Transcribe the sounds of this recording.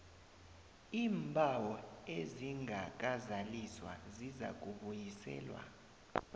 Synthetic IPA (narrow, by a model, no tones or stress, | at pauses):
iːmbʱawɔeziŋʱak̬ʼazaliswa̰ziza̰k̬ʼuɓujisɛ̰ːlwa̰